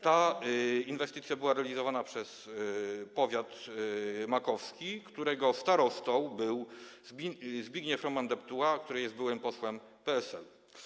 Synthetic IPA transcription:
t̪a | invɛst̪ɘt̪sʲjabɘwaɾɛalʲizɔvanapʂɛs | pɔvʲjat̪ | makɔfskʲikt̪uɾɛɡɔst̪aɾɔst̪ɔ̃wbɘwzbzbʲjiɡɲɛfɾɔmand̪ɛpt̪uwakt̪uɾɘjɛsbɘwɘmpɔswɛm | pɛɛsɛl

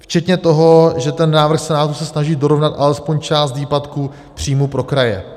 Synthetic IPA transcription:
ft͡ʃɛt̪ɲɛt̪o̞ɦo̞ʒɛt̪ɛnːaːvr̩xsɛnaːt̪usɛsnaʒiːdo̞ɾo̞vnat̪ʔalɛspo̞ɲt͡ʃaːst̪viːpat̪ku | pr̝̥iːmupɾo̞kɾajɛ̰

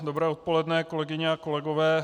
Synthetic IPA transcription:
dobɾɛːo̞t̪̚po̞lɛdnɛko̞lɛɡɪɲɛako̞lɛɡovɛː

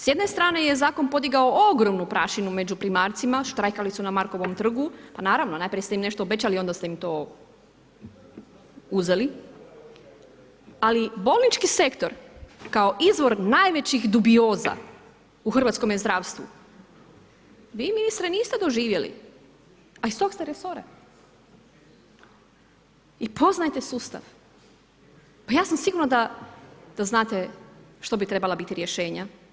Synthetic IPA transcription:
sje̞d̪ne̞st̪ɾaːne̞je̞zaːko̞npo̞d̪iɡaooɡɾo̞mnupɾaʃinume̞d͡ʑupɾimaːɾt̪simaʃt̪ɾajkalisunamaɾko̞ʋomt̪r̩ɡupanaːɾaʋno̞najpɾʲijest̪eimne̞ʃt̪oːbe̞t͡ɕalio̞nd̪ast̪e̞imt̪o̞ | uze̞li | alibo̞lˠnit͡ʃkise̞kt̪o̞ɾkao̞ʔizʋo̞ɾnajʋe̞t͡ɕixd̪ubio̞ːza̰ | uxrʋat̪sko̞mjezd̪ɾaːʋst̪ʋṵ | ʋiːminist̪ɾeniːst̪ed̪o̞ʒiːʋje̞lḭ | aist̪oɡst̪eɾeso̞ɾa | ipo̞znajt̪e̞suːst̪a̰ʋ | pajaːsamsiɡuɾnad̪a | d̪̥aznaːt̪eʃt̪o̞bit̪ɾe̞balˠabit̪iɾjeʃe̞ːɲa

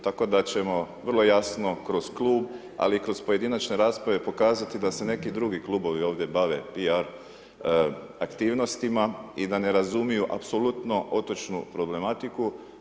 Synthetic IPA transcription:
t̪ako̞d̪at͡ɕe̞mo̞ʋr̩lˠo̞jasno̞kɾo̞z̥kluːb | a̰liːkɾo̞zpo̞je̞d̪inat͡ʃne̞ɾaːspɾaʋe̞po̞kaːzat̪id̪ase̞ne̞kid̪ɾuɡiklˠuːbo̞ʋio̞ːʋd̪je̞baʋe̞piaɾ | akt̪iːʋno̞st̪imaid̪ane̞ɾazumijuʔa̰pso̞lut̪noʔo̞t̪o̞t͡ʃnupɾo̞ble̞mat̪iku

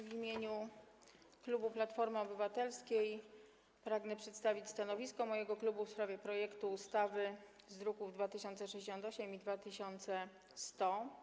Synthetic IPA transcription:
vʲimʲjeɲu | klubuplat̪fɔɾmɘɔbɘvat̪ɛlskʲej | pɾaɡnɛpʂɛt̪st̪avʲit͡ɕst̪anɔvʲiskɔmɔjɛɡɔklubufspɾavʲjɛpɾɔjɛkt̪uːst̪avɘ | zɾukuvd̪vat̪ɘɕɔnt̪sɛʂɛd͡ʑeɕ̬ɔnt̪ɔɕɛmid̪vat̪ɘɕɔnt̪sɛ | st̪ɔ

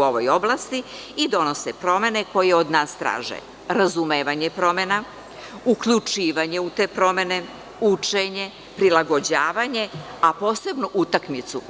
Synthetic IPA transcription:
o̞ʋo̞jo̞blˠaːst̪i | id̪o̞no̞sepɾo̞me̞ne̞ko̞jeod̪naːst̪ɾa̰ːʒḛ | ɾazumeːʋaɲe̞pɾo̞mena | ukʎut͡ʃiːʋaɲe̞ut̪e̞ːpɾo̞me̞ne̞ | ut͡ʂeɲe̞ | pɾilˠaɡo̞d͡ʑaːʋaɲe̞apo̞ːse̞bnuʔut̪akmit̪su

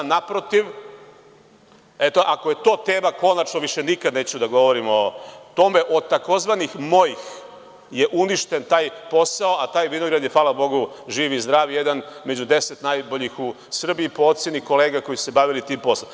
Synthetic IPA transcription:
napɾo̞t̪iʋ | et̪oʔako̞je̞t̪o̞ːt̪e̞ːmako̞nat͡ʃnoʋiʃe̞nikad̪neːt͡ɕud̪aɡo̞ʋo̞ɾimot̪o̞me̞ʔo̞t̪ako̞zʋanixmojix | je̞ʔuniʃt̪e̞nt̪aːjpo̞sao̞at̪aːjʋinoɡɾad̪jefaːlabo̞ɡu | ʒiːʋizd̪ɾaːʋijed̪anme̞d͡ʑud̪eset̪najboʎixu | sr̩biːpoot̪sjeniko̞leːɡako̞jisuse̞baʋilit̪iːmpo̞slam

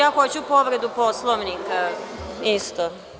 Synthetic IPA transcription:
axot͡ɕupoʋɾed̪uposlˠoʋnikaist̪o

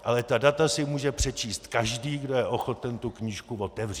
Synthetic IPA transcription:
ʔalɛt̪adat̪asɪmuːʒɛpr̝̥ɛt͡ʃiːst̪kaʒdiːɡdo̞jɛʔo̞xo̞t̪ɛnt̪ukɲiːʃkuvo̞t̪ɛvri

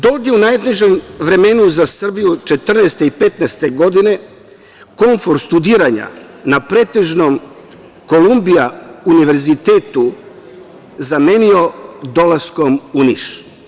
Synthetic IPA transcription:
d̪o̞d̪jeunajd̪neʒemʋɾe̞me̞nuzasr̩bijut͡ʃe̞t̪r̩neːst̪eipe̞t̪nɛst̪e̞ɡo̞d̪ine̞ | ko̞ɱfo̞ɾst̪ud̪iːɾaɲa̰napɾe̞ːt̪e̞ʒnom | ko̞lumbijauniʋe̞ɾzit̪eːt̪u | zame̞nio̞d̪o̞lasko̞muniʃ

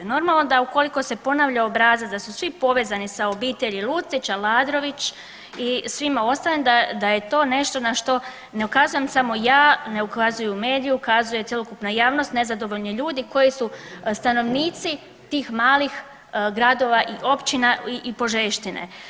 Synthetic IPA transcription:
no̞ɾmalˠno̞d̪auko̞liko̞se̞po̞naʋʎaobɾaːzat̪d̪asusʋipo̞ʋe̞ːzanisao̞biːt̪e̞ʎilˠut̪sit͡ɕalˠaːd̪ɾo̞ʋit͡ɕ | isʋimao̞st̪alemd̪ad̪aje̞t̪o̞ːne̞ʃt̪o̞naʃt̪o̞ | ne̞ukazuje̞msamo̞jaːne̞ukazujume̞ːd̪ijuukazuje̞t̪je̞lokupnajaːʋno̞st̪ne̞zad̪o̞ʋo̞ʎniʎuːd̪iko̞jisust̪ano̞ʋniːt̪si | t̪iːxmaːlix | ɡɾad̪o̞ʋaʔiʔo̞pt͡ɕinaiʔipo̞ʒeʃt̪inḛ

